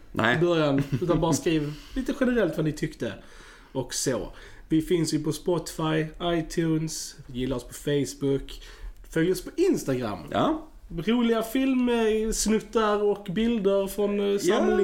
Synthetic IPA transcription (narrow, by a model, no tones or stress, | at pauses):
ɔmbœɾjanʉ̟ːt̪anbɑːɾaskɾiːvliːt̪əɧɛnəɾɛlt̪vanɪt̪ʰʏkt̪ə | ɔkso̰ː | vɪfɪnsjɵpʰɔspɔt̪ɪ̥fajaɪt̪ʰjʉːnsjɪlːaɾɔspʰɔfeɪsbʊkː | fœlɔspʰɔʔɪnst̪aɡɾa̰m̰ː | ɾuːlɪɡafɪlməsnʉt̪ːaɾɔkbɪld̪əɾfɾɔnsaml